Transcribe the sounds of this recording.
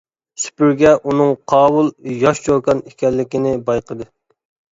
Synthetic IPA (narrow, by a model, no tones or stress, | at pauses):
sy̥pyɾɡʲɛʔunɨŋqʰɑːwulˠjɑʃt͡ʃʰoɾkɑnikʲɛlːɪkʲinɪbɑjqʰəd̪ɨ